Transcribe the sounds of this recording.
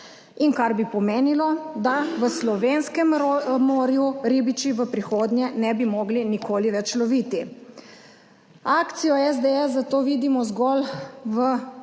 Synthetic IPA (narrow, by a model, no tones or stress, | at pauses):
inkaɾbipɔmeːnilɔd̪aʋəslɔʋeːnskɛmomoːɾjuɾibit͡ʃiʋəpɾixoːd̪njɛnɛbimoɡlinikoːliʋɛt͡ʃlɔʋit̪i | akt̪sijɔɛzd̪eɛsːat̪oːʋiːd̪imɔzɡɔlʋə